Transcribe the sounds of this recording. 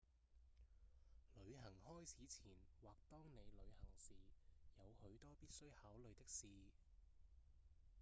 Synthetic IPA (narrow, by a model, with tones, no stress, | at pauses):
lɵ˨˧˥ɥɦɐ˨˩ŋhɔː˥jt͡sʰiː˨˥t͡sʰiː˨˩nwaː˨˩k̚t̪ɔː˥ŋne˨˧jlɵ˨˧ɥhɐ˨˩ŋsiː˨jɐ˨˧whɵ˨˥ɥt̪ɔː˥piː˥t̚sɵ˥ɥhaː˨˥wlɵ˨˧ɥt̪ɪ˥k̚siː˨